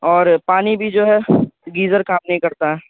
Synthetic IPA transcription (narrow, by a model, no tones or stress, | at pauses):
ɔːɾpaːnibʱid͡ʒoːɦɛɡiːzəɾkãːpnẽɦĩkɐɾt̪aɦɛ̃